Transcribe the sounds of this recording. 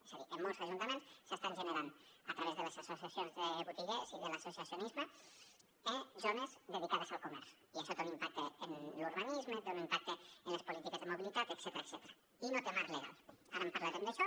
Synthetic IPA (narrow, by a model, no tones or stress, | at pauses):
esaðiʔembosaʒunt̪amensest̪anʒeneɾand̪oat̪ɾaβezðe̞lasaso̞θjaθjonzðeβut̪iʎesiðelaso̞θjaθjonizma | ezonezðe̞ð̞ikað̞osalkomeɾθo̥iesot̪enimpak̚t̪eenluɾβanizmot̪eonimpak̚t̪eenlespolit̪ikezðemoβilit̪at̪ekset̪eaekset̪eɾa | inot̪emaɾleɣ̞a̰laɾampaɾlaɾend̪eʃo